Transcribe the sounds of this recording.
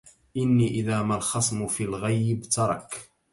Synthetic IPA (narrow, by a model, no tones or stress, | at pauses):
ʔɪnːiːʔɪðaːmalxɑsˤmʊfiːlɣajbt̪ɑɾˤɑk